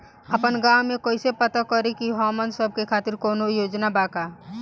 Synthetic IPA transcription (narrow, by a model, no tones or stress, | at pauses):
əpənɡawmẽkoːisepət̪akəɾikiɦɔːmənsəb̚kekʰaːt̪ɪɾkoːnojoːd͡ʒnabaːka